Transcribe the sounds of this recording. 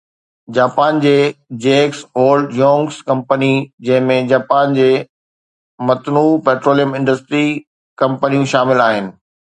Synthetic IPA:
d͡ʑaːpaːnd͡ʑeːd͡ʑeːksoːlɖjõːŋɡskɐ̃mpənid͡ʑɐ̃ɦɪ̃mẽd͡ʑaːpaːnd͡ʑeː | mɐt̪nuːpeːʈɾoːlijəmɪ̃ɳɖəsʈɾi | kɐ̃mpənijũʃaːmɪlaːɦɪnɪ̆

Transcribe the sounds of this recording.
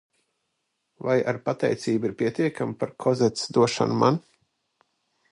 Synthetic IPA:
vajaɾpat̪ɛjt̪siːbiɾpʲiɛt̪iɛkʰampaɾkʰɔzɛt̪sd̪uɔʃa̰nma̰n

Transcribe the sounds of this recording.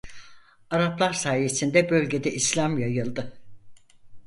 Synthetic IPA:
aɾaplˠaɾsaːje̞sind̪ɛbø̞lʲɟe̞d̪ɛʔislʲamjajɯlˠd̪ɯ

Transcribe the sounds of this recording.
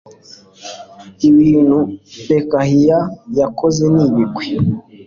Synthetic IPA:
iβiːn̥hupekahijajakozeniβiɡwe

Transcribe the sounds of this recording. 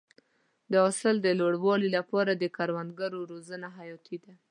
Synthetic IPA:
d̪əɑsəld̪əloɽwɑlilapɑɾad̪əkaɾwand̪̚ɡaɾoɾozənaɦajɑt̪ʰid̪a

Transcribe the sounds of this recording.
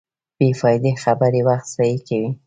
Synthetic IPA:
b̥efɑjd̪exabaɾewaxt̪sajikawi

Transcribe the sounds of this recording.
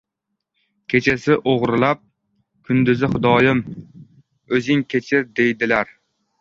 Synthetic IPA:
kʲʰet͡ʃʰasɪʔoʁɾlˠɑp̚ | kʲʰʊnd̪ɪzɪχʊd̪ɒːjɪm | ɵzɪŋkʲʰet͡ʃʰɪɾd̪ejd̪ɪlæɾ

